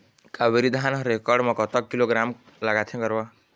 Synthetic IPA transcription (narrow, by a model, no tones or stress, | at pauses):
kabiɾid̪ʱanʌɾekɔɾɖmʌkɔt̪ʌkkːiloɡɾam | laɡat̪ʰjẽɡʌɾba